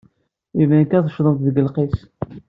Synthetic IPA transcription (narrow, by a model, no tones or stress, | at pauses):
ivænkæðəʃðˤənθðəɡəlqis